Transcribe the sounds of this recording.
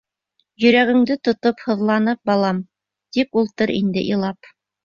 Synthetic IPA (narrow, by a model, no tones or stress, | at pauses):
jɵ̆ɾæɡɘ̆ŋd̪ɘt̪ŏt̪ophɤ̆ðlˠɑnɤp̚bɑlˠɑm | t̪ipulˠt̪ɤɾḭnd̪ɘ̰ʔilˠɑp